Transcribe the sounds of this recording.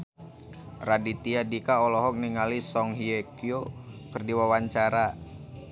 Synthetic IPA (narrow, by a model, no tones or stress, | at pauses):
radit̪iadikaɔlɔɦɔk̚niŋalisɔŋɦiekiokərdiwawaɲt͡ʃaɾa